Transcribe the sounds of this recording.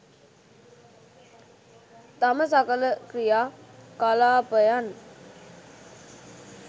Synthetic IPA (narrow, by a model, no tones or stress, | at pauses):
t̪aməsakələkɾijaːkalaːpəjan